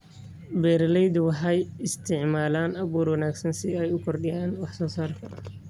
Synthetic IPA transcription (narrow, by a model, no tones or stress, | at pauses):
bɛːɾlɛjd̪wɑħɛjɪst̪ʰɪʕmaːlaːnɐβuːrwɑnaːɡsɐnsɪɛjʊkʰɔrɖɪjaːnwɑħsɔːsɐr